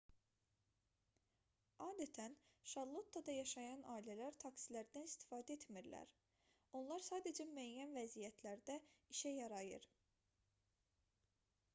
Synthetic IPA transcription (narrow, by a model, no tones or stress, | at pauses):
ɑːd̪æt̪ʰænʃɑlˠot̪ʰːɑd̪ɑjɑʃɑjɑnɑːilælæɾt̪ʰɑksilæɾd̪ænist̪i̥fɑːd̪æet̪miɾlæ̰ɾ | o̞nlˠɑɾsɑːd̪ed͡ʒæmyæjjːænvæzijæt̪ʰlæɾd̪æiʃæjɑɾɑjɯ̰ɾ